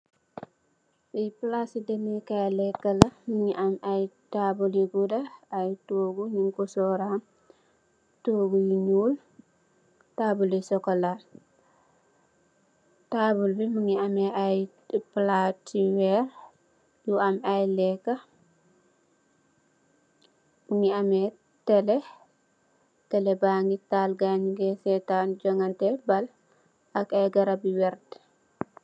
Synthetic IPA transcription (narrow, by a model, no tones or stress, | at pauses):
siplasidemekalɛkːɐlɐmuŋiʔamajtabuliɡudɐajtoːɡuɲiŋkɔsɔɾam | toːɡujiɲuːl | taːbulisɔkala | tabulbimuŋiamɛaj | platiwɛɾ | juamajlɛkːa | muŋiamɛ | tɛlɛ | tɛlɛbaːŋɡitaːlɡaɲɡɛsɛtanɟɔŋɡantɛbɐl | akajɡɐɾabiwɛɾd